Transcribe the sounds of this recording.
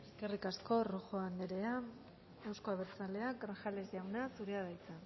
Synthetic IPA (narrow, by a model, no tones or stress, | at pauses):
e̞ske̞rikasko̞ro̞xoand̪eɾea | ewsko̞aβeɾt͡sale̞aɡɾaŋxale̞zʝawnasuɾeaðajt͡san